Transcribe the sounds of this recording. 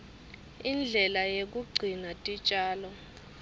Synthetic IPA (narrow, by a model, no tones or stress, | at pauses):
ind͡ɮʱɛlajek̬ʼuɡ͡ǀʱinatʼit͡ʃʼaːlɔ